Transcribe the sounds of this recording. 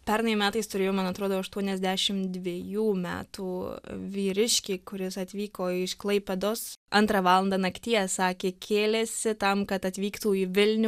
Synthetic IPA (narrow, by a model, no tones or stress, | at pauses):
pʲɛɾnɐɪmʲæːt̪ɐɪst̪ʊɾʲeːjoːmɐnɐt̪ɾoːd̪oːɐʃt̪uɔnʲɛzʲd̪ʲæʃʲɪmd̪ʲʋʲeːjuːmʲæ̰ːt̪uːʋʲiːɾʲɪʃʲkʲeːkʊɾʲɪsɐt̪ʲʋʲiːkoːɪʃklˠɐɪpʲɛd̪oːsʔɐnt̪ɾɑʋɑːlˠɐnd̪ɑnɐkt̪ʲiːɛsɑːkʲeːkʲʰeːlʲesʲɪt̪ɐmkɐt̪ɐt̪ʲʋʲiːkt̪uːiːʋʲɪlʲnʲ